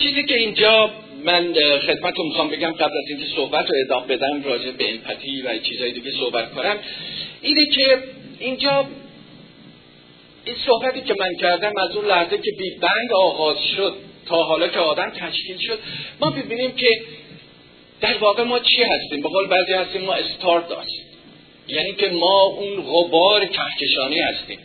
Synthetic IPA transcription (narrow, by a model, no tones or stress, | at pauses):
t͡ʃʰiːziːce̞ind͡ʒɒː | mænxe̞d̪̚mæt̪t̪ʰunmixɒːmbe̞ɟæmɢæblæziːnkʰe̞sohbæt̪ɾoe̞ːd̪ɒːmebe̞d̪æmrɒːd͡ʒebebeemfʰæt̪ʰiːvæt͡ʃʰiːzɒːjed̪iːɟesohbæt̪̚kʰonæmʔiːnecʰe̞ind͡ʒɒː | insohbæt̪iːcʰe̞mæncʰæɾd̪æmæzunlæhzecʰe̞biːbæŋɡɒːɣɒːz̥ʃod̪̥̚t̪ʰɒːɦɒːlɒːcʰeɒːd̪æmt̪ʰæʃciːlʃod̪̥mɒːmibiːniːmcʰe | d̪̥æɾvɒːɣe̞mɒːt͡ʃʰiːhæst̪iːmbe̞ɣoːlebæːzijhæst̪iːmːɒːest̪ʰɒɾt̪ɒ̰ːst̪ | jæniːcʰe̞mɒːʔunɣobɒːɾet͡ʃʰæhcʰe̞ʃɒːniːhæst̪ḭːm